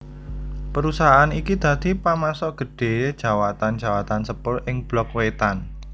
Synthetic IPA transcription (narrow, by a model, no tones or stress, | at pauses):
pəɾusaɦaːnikid̪̥ä̤d̪̥i̤pamasɔʔɡ̥ə̤ɖ̥e̤d̥ʒ̥a̤wat̪and͡ʒ̥a̤wat̪ansəpʊrʔɪŋb̥lɔkwet̪an